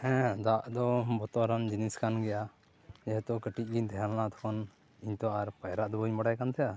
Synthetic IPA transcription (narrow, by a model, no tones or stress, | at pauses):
ɛ̃d̪aʔd̪ɔbɔt̪ɔɾand͡ʒiniskanɡɛja | d͡ʒɛɦt̪ɔkəʈiʔ̪̚ˀɡiɲt̪ʰɛɦalnat̪ʰɔ̥kʰɔn | iɲt̪ɔaɾpajɾaʔd̪ɔbɔɲmaɽajkant̪ʰɛja